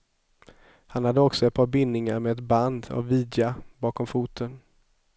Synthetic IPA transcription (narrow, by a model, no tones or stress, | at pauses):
hanhad̪ːəɔksɔɛt̪̚pʰɑːɾbɪnːɪŋaɾmeːd̪ɛt̪band̪a̰vːiːd̪jabɑːkɔmfuːt̪ʰən